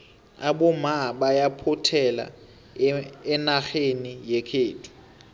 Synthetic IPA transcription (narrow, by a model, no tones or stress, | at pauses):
aɓɔmaɓajapʰʊtʰɛla̰ | ɛnaxenijekʰeːtʰu̥